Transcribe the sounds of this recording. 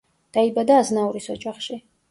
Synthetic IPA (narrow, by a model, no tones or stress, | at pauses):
d̪̥aibad̪aːznauɾisɔd͡ʒaχʃi